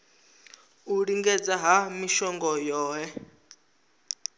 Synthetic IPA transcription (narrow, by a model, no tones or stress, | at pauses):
uɺiŋɡɛd͡zaɦamiʃɔŋɡɔjɔːɦɛ